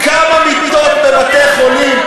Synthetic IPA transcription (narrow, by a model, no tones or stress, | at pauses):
kamamit̪id̪ot̪̚bemat̪ejχolim